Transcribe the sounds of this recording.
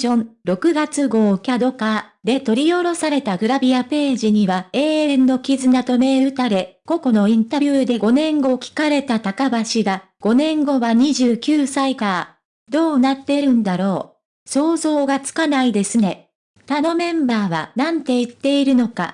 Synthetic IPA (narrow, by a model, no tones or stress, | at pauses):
õ̞ɴɾo̞kɯ̟ɡat͡sɨɡo̞ːkʲad̪o̞kad̪e̞t̪o̞ɾʲijo̞ɾo̞saɾe̞t̪aɡɯ̟ɾabʲiape̞ːʑiɲ̟iβae̞ːẽnːo̞kʲizɨnat̪o̞me̞ɯ̟t̪aɾe̞ko̞ko̞no̞ĩnt̪abʲɯːd̪e̞ɡo̞nẽ̞ŋɡo̞kʲi̥kaɾe̞t̪at̪akabaɕiɡa | ɡ̥o̞nẽ̞ŋɡo̞βaɲ̟iʑɨːkʲɨːsaikaa | d̪o̞ːnat̪ːe̞ɾɯ̟̃nd̪aɾo̞ː | so̞ːzo̞ːɡat͡sɨ̥kanaid̪e̞sɨne̞ | t̪ano̞mẽ̞mbaːβ̞a̰nãnt̪e̞it̪ːe̞iɾɯ̟no̞ka̰